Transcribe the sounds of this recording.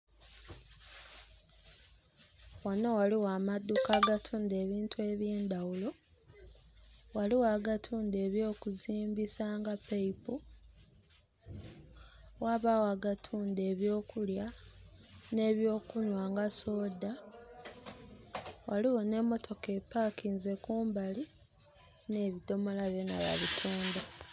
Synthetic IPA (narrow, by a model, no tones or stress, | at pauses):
wanowaliwaːmadːukaːɡatʰuːnde̞ːβiːntue̞βje̞ːnd̪awulo̞ | waliwaːɡatʰuːnde̞ːβjo̞ːkuziːmbisaːŋɡapeipu | waβawaɡatʰuːnde̞ːβjo̞ːkulja | ne̞ːβjo̞ːkunwaːŋɡaso̞ːda | waliwo̞ne̞ːmo̞tʰo̞ke̞pːakiːnze̞kuːmbali | ne̞ːβido̞mo̞laβjena̰βa̰βitʰuːnda